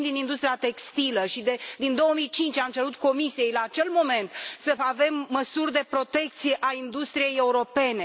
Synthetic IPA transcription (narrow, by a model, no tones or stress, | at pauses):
nd̪inind̪ust̪ɾiat̪e̞kst̪iləʃid̪ed̪ind̪o̞womijt͡ʃint͡ʃʲamt͡ʃe̞ɾut̪ko̞misije̞jlaːt͡ʃe̞lmo̞me̞nt̪səave̞mːəsurʲd̪e̞pɾo̞t̪e̞k̚t̪sije̞ʔaind̪ust̪ɾije̞je̞uɾo̞pe̞ne̞